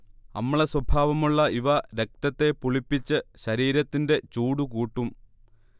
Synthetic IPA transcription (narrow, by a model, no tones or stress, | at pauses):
ɐ̰mːɐɭeswɐbʱaːʋɐmuɭːɐiʋɐɾe̞k̚t̪ɐt̪ːe̞puɭipːit͡ɕːɨɕɐɾiːɾɐt̪ːinde̞t͡ɕuːɽukuːʈːum